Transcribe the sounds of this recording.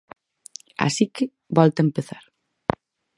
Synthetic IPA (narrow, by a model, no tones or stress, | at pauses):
a̰sikɪ | bɔlt̪ɐempeθaɾ